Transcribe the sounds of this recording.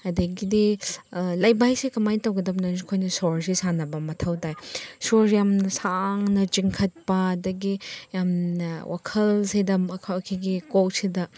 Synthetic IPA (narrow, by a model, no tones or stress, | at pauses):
adɐɡidi | lajbajsekɐmajtɐwɡɐdɐp̚nɐskʰojnɐsɔɾsesanɐbɐmɐtʰawtajsoɾjamnɐsaŋnɐt͡ʃiŋkʰɐt̚pɐːdɐɡijamnɐwʔa̰kʰɐlsedɐmɐkʰkʰiɡikoksedɐ